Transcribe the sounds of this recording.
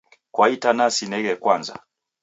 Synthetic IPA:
kwaitanasinɛɣɛkwanza̰

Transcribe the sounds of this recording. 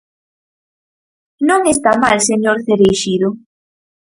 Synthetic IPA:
nõŋest̪amalseɲoɾθeɾejʃiðo

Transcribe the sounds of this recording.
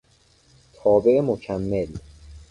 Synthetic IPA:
t̪ʰɒːbe̞ʔemocʰæmːel

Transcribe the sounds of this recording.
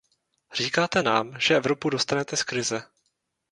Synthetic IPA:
r̝̥iːkaːt̪ɛnaːmʒɛʔɛvɾo̞pudo̞st̪anɛt̪ɛskɾɪzɛ

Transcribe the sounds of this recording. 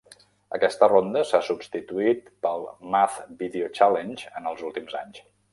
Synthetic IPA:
ə̰kɛst̪ərond̪əsasubst̪it̪uit̪̚pəlˠmaθbiðeot͡ʃalənʲʒənəlˠzulˠt̪imzaɲs

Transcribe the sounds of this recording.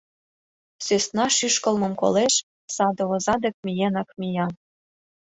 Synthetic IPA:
søsnɑʃyʃkɤ̆lmɤ̆mko̰leʃ | sɑd̪oŏzɑd̪ĕk̚mijenɑkmijɑ

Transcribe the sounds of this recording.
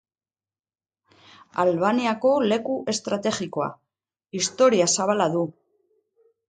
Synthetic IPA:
alβaniako̞le̞kuʔe̞st̪ɾat̪e̞ɣiko̞a̰ | ist̪o̞ɾiasaβ̞alaðu

